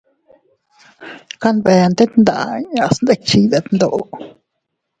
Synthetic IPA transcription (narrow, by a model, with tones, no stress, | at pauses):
ka˦nbe˧a˧nt̪e˦t̪nd̪a̰˨ʔɲã˧ʔsnd̪e˦k̚t͡ʃi˧d̪a˨t̪nd̪o˨ʔo˧